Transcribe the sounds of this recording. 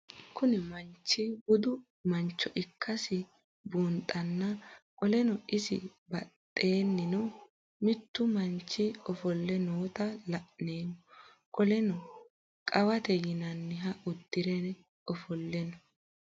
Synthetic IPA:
kʊnɪmɐnt͡ʃːɪbʊd̪ʊ | mɐnt͡ʃːɔʔɪkʰːɐsɪ | buːnt̪ʼːɐnːɐkʼɔlɛnɔɪsɪ̰bɐt̪ʼːe̞ːnːɪnɔ | mɪt̪ːʊmɐnt͡ʃːɪɔfɔlːɛnoːt̪ɐlɐʔneːmɔ | kʼɔlɛnɔ | kʼɐwɐt̪ɛjɪnɐnːɪɦɐʊd̪ːɪɾɛnɛ | ɔfɔlːɛnɔ

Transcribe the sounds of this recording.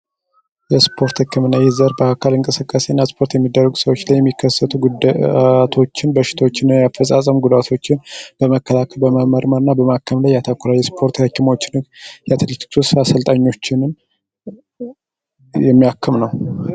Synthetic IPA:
jɛspʰo̞ɾt̪hɨkːɨmɨnːajɛzəɾbəakʰalɨŋkʼɨsɨkʼːase̞nːaspʰo̞ɾt̪jɛmːid̪ːərːəɡusəwo̞t͡ʃːlajːɛmːikːəsːət̪ʰuɡu | t̪ʰo̞t͡ʃːɪnbəʃɪ̥t̪ʰəwot͡ʃːɪnːajafəsʼasʼəmɡud̪at̪ʰo̞t͡ʃːɪnb̥əməkːəlakʰəlbəməməɾməɾɨnːabəmakʰːəmlajːat̪ʰakʷːɾajɛspʰo̞ɾt̪həkːimo̞t͡ʃːɪnhɨɡjat̪ʰɨlɨt͡ʃksusasəlt̪ʼaɲːo̞t͡ʃːɪnn | jɛmːijakʰːəmnəw

